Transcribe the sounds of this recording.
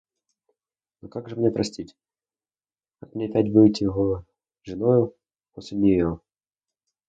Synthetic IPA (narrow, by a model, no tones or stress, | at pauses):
nokaɡʐɨmnʲepɾɐsʲtʲitʲ | kakmnʲeɐpʲætʲbɨtʲɪjɪɣo | ʐɨnojʊ | posʲlʲɪnʲɪjo